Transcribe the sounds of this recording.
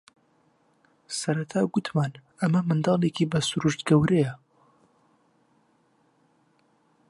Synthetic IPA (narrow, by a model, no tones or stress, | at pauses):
sɐɾɐt̪ʰaːɡʊt̪ʰmaːn | ɐmɐmɨnd̪ɑːlˠeːkiːbɐsuɾuʃt̪ɡɐwɾejɐ